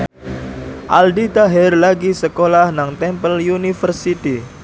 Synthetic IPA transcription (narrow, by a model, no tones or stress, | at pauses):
ʔaldit̪aɦɛrlaɡisəkolahnaŋt̪ɛmpəljunifərsit̪i